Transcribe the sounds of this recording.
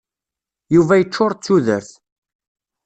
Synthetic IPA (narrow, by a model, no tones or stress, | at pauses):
juvæjət͡ʃːʊɾˤt͡sːuðəɾθ